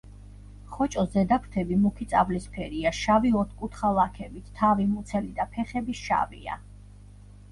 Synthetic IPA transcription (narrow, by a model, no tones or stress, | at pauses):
χɔt͡ʃʼɔszɛd̪akʰt̪ʰɛbimukʰit̪sʼavlispʰɛɾiaʃaviɔt̪ʰkʼut̪ʰχalˠakʰɛbit̪ʰːavimut̪sʰɛlid̪apʰɛχɛbisʃa̰vḭa̰